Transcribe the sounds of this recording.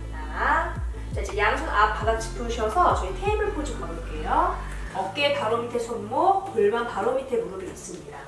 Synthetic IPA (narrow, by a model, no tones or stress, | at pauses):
a | t͡ɕaid͡ʑe̞jaŋsʰoŋap̚p͈adat͡ɕʰi̥p͈ʰɯɕʰʌsʰʌt͡ɕʌŋitʰeimɯɭpod͡ʑiɡʌɾk͈ejoʌk͈e̞kaɾomitʰesʰoŋmopoɭmanpaɾomitʰemonoɾiḭs͈ɯmɲida